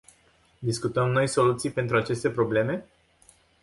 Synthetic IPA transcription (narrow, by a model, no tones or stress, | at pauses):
d̪iskut̪əmno̞jso̞lut̪sijpe̞nt̪ɾuat͡ʃe̞st̪e̞pɾo̞ble̞me̞